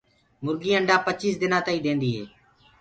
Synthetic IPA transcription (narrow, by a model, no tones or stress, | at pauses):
mʊɾɡiːəɳɖãːpət͡ʃiːsd̪ɪnãːt̪aːiːd̪ẽːnd̪iːɦḛː